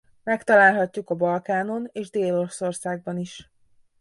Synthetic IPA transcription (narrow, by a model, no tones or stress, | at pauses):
mɛkt̪ɒlaːlɦɒcːukɒbɒlkaːno̞neːʒd̪eːlo̞ɾoso̞rsaːɡ̚bɒniʃ